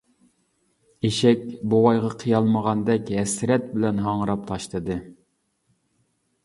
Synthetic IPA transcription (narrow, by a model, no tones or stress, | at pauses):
eʃɛkʲbowɑjʁɑqʰijɑlˠməʁɑnd̪ɛkʲɦɛsɾɛt̪̚bɪlɛnɦɑŋɾɑp̚t̪ʰɑʃlˠɨd̪ɨ